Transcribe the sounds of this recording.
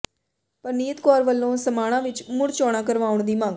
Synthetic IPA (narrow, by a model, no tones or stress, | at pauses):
pəɾniːət̪kɔːɾʋəlːõːsəmaːɽ̃ãːʋɪt͡ʃmʊɽt͡ʃɔːɽ̃ãːkəɾʋaːʊɳd̪iːmãŋɡ